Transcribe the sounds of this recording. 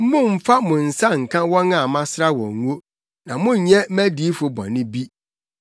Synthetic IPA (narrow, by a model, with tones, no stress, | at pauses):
m̩˦mʊ̃˦m̩˦fa˦mʊ̃˨n̩˨sa˦ŋ̩˨kʰã˦wɔ˦nã˦˨mã˦sɾa˦wɔ̰̃˨ŋ˨ŋ˦o˦ | nã˨mʊ̃˦˨˦ɲɛ̃˦mæ˦di˨˦fʊ˨bɔ̰̃˨nɪ̃˦bi˦